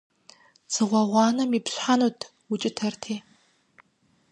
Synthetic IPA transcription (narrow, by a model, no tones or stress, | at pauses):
t͡sʰɨʁʷɐʁʷɑːnɐmipɕħanuːtʰ | wʊt͡ʃʼɪtʰɐrtʰiː